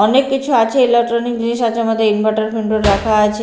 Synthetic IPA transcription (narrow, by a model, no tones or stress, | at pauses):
ɔnekːit͡ɕʰuat͡ʃʰeilek̚ʈɾɔnik̚d͡ʑiniʃat͡ʃʰeamad̪ʱːeinbaʈaɾfʰinɖoɾɾakʰajt͡ʃʰe